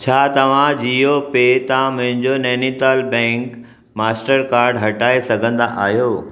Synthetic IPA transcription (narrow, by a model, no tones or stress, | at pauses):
t͡ɕʰaːt̪ɐʋ̤ãd͡ʑiːopet̪ɐãmʊ̃ɦɪ̃ɲd͡ʑoneːnit̪aːlbɛ̃ːŋk | maːsʈəɾkaːɾɖɦɐʈaːesɐɡʱə̃nd̪aʔa̰ːɦjoː